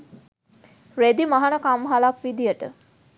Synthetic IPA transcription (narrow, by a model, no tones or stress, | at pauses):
ɾed̪imaɦanəkamɦalakʋid̪ijəʈə̰